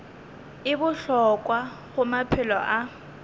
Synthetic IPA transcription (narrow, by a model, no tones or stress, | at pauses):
ɪbʊɬɔkʼwa | ɣʊmapʰɪlɔʔa